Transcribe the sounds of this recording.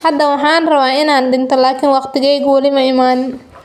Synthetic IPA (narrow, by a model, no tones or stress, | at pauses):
hɐd̪ɐwɑħɑːnrɐβaːɪnaːnɖɪnt̪ʰɔlaːkʰɪnwɑqt̪ɪɣɛjɣwɐlɪmɐɪmaːn